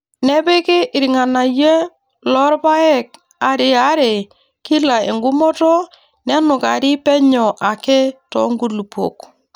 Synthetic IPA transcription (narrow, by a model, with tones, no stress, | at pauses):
nɛ˦be˦kɪ˦ʔɾi˨ŋa˨na˨je˦ | lɔ˦ɾba˦ɛ˦k̚ | a˨ɾɪ˨a˦ɾe˨ | ki˦la˨ḛ˨ŋɡu˦mɔ˦tɔ˦ | nɛ˦nʊ˨ka˨ɾɪ˦pɛ˦ɲɔ˨ʔa˨ke˦tɔ̰˨˦ŋɡu˦lu˨po̰˨k